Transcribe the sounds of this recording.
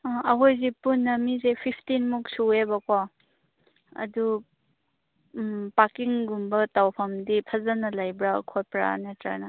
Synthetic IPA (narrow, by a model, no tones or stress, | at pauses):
ɐɦojzipunːɐmizepʰipʰtinmuk̚suebakwa | ɐ̰du | pakiŋɡumbɐtawpʰɐmdipʰɐzanɐlajbɾa̰kʰojpɾa̰netɾa̰na